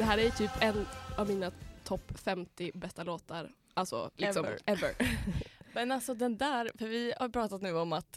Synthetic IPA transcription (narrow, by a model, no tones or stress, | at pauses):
d̪ɛɦæːɾæjt̪ʰyːpɛnːavmiːnat̪ʰɔpːfɛmt̪ɪbɛst̪aloːt̪aɾ | alsɔ̰lɪksɔmɛvə̰ɾ | mɛnalsɔd̪ɛnd̪æːɾfœɾvɪhapʰɾɑːt̪at̪nʉ̟ːɔmat̪